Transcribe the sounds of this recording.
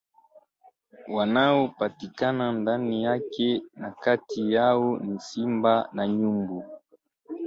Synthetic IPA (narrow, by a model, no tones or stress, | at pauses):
wanawopatikanandanijakenakatijawonisimbanaɲumbu